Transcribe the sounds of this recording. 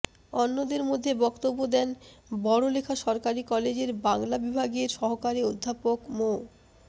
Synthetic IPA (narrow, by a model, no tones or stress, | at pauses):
ɔnːod̪eɾmod̪ʱːebɔkt̪obːod̪ɛnbɔɽolekʰaʃɔɾkaɾikɔled͡ʑeɾbaŋlabibʱaɡeɾʃɔɦokaɾiod̪ʱːapokmo